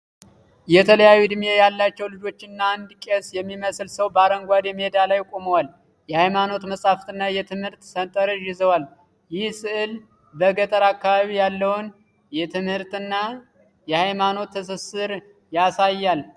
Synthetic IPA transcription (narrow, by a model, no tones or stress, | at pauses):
jɛt̪ʰələjajːud̪ɨmje̞jalːat͡ʃːɛwlɨd͡ʒo̞t͡ʃːɪnːaand̪kʼesjɛmːiməslsəwbəaɾəŋɡʷad̪jɛmihed̪alajkʼoməwal | jɛhajmano̞t̪məsʼaft̪ɨnːajɛt̪ʰɨmhɨɾt̪sənt̪ʼəɾɨʒɪzəwal | jɪhsɨʔɨl | bəɡət̪ʼəɾakːaβaβijalːəwʊn | jɛt̪ʰɨmhɨɾt̪ɨnːa | jɛhajmano̞t̪ʰːəs̬əsɨɾ | jasajːal